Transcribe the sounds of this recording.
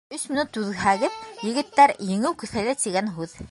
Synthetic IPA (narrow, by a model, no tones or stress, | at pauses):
ɵsmɘ̆nut̪ʉðɦæɣɘðjɘ̆ɡɘ̆t̪ːæɾjɘ̆ŋɘwkɵ̆θhælæt̪iɡænɦʉð